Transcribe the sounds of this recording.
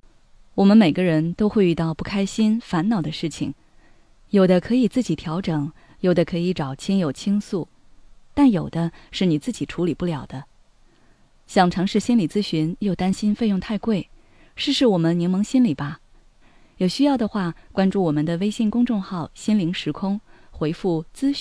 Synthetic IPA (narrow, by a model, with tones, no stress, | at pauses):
wɔ˨˩mə˦nme˨˩ɪɡə˦ɻə˧˥nt̪o˥ʊxwe˥˧ɪy˥˧t̪ɑ˥˧ʊpu˥˩kʰa˥ɪɕi˥nfa˧˥nnɑ˨˩ʊd̪ə˦ʂɻ̩˥˩t͡ɕʰḭ˨˩ŋ | jo˨˩ʊd̪ə˦kʰɤ˧˥i˨˩t͡sɹ̩˥˩t͡ɕi˨˩t̪ʰjɑ˧˥ʊʈ͡ʂɤ˨˩˦ŋ | jo˨˩ʊd̪ə˦kʰɤ˧˥i˧˥ʈ͡ʂɑ˨˩ʊt͡ɕʰi˥njo˨˩ʊt͡ɕʰi˥ŋsu˥˩ | t̪a˥˩njo˨˩ʊd̪ə˦ʂɻ̩˥˩ni˨˩t͡sɹ̩˥˩t͡ɕi˨˩ʈ͡ʂʰu˧˥li˨˩pu˥˩ljɑ˨˩ʊd̪ə˦ | ɕjɑ˥˩ŋʈ͡ʂʰɑ˧˥ŋʂɻ̩˥˩ɕi˥nli˨˩t͡sɹ̩˥ɕy˧˥njo˥˩ʊt̪a˥nɕi˥nfe˥˧ɪjʊ˥˧ŋt̪ʰa˥˧ɪkwe˥˩ɪ | ʂɻ̩˥˧ʂɻ̩˥˩wɔ˨˩mə˦nnjɛ˧˥nmɤ˧˥ŋɕi˥nli˨˩bɐ˦ | jo˨˩ʊɕy˥jɑ˥˩ʊd̪ə˩xwa˥˩kwa˥nʈ͡ʂu˥˩wɔ˨˩mə˨nd̪ə˨˩we˥ɪɕi˥˧nkʊ˥ŋʈ͡ʂʊ˥˧ŋxɑ˥˩ʊɕi˥nli˧˥ŋʂɻ̩˧˥kʰʊ˥ŋxwe˧˥ɪfu˥˩t͡sɹ̩˥˩